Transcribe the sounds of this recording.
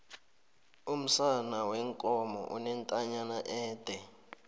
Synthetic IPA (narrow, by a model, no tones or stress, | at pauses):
um̩sanawɛŋkʼɔmɔ̰ʔṵnɛntʼaɲanaʔɛːd̥ʱɛ